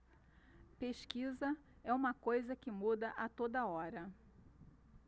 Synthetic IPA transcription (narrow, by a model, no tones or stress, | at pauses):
peʃkizɐ | ɛũmɐkojzɐkɪmud̪ɐʔɐt̪od̪ɐɔɾɐ